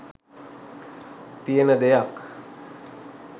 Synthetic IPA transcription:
t̪ijənəd̪ejak

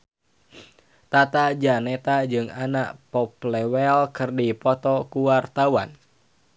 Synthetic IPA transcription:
t̪at̪ad͡ʒanɛt̪ad͡ʒɨŋanaʔpɔplɛwɛlkɨrdipɔt̪ɔkuwart̪awan

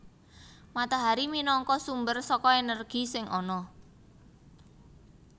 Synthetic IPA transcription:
mat̪aɦaɾiminɔŋkɔsumbərsɔkɔenərɡ̥isɪŋʔɔnɔ

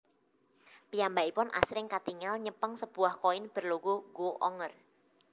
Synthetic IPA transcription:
pijambaipʊnʔa̰sɾɪŋkat̪iŋalɲəpəŋsəb̥uahkoɪnb̥ərloɡoɡoʔɔŋər

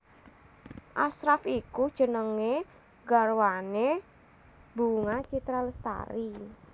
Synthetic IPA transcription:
ʔasɾafikud̥ʒ̥ə̤nəŋe | ɡa̤rwane | buŋat͡ʃit̪ɾaləst̪a̰ɾi

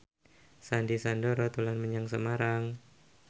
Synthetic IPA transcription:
sandisandoɾɔt̪ulanməɲaŋsəmaɾaŋ

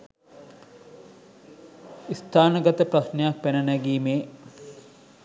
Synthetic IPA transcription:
ist̪ʰaːnəɡɐt̪əprasnejak̚pænənæɡiːmeː

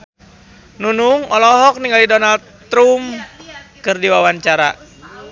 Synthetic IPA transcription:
nunuŋɔlɔɦɔk̚niŋɡalidɔnald̪ | ɾum | kɨrdiwawaɲt͡ʃaɾa̰

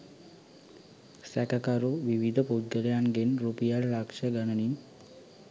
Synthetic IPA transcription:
sɛkakaɾoʋiʋid̪ʱəpod͡ʒɡəljaŋɡenɾupijallakʂəɡanənin

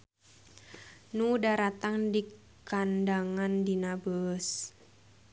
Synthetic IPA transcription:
nudaɾat̪aŋdi | kandaŋandinabəs

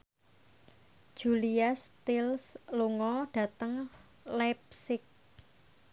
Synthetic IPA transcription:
d̥d͡ʒ̥uliast̪ɪlsluŋɔɖ̥ä̤t̪əŋ | lɛp̚sɪk̚

